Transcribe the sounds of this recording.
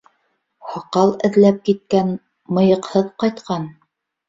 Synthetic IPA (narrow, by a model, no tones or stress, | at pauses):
hɑqɑlˠɘ̆ðlæp̚kit̪̚kæn | mɤ̆jɤ̆qhɤðqɑjt̪qʰɑn